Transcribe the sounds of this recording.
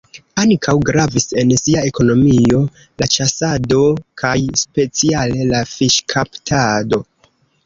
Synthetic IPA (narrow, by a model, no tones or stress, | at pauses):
aŋkʰawɡɾavise̞nsiae̞ko̞no̞mio̞ | lat͡ʃasado̞kʰajspe̞t͡siale̞lafiʃkʰaptʰado̞